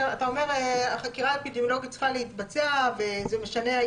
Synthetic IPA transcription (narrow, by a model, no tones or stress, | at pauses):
at̪ao̞me̞ʁeaχakiʁalpidemolo̞ɡit̪t͡sχale̞it̪bat͡seavezeme̞ʃane̞a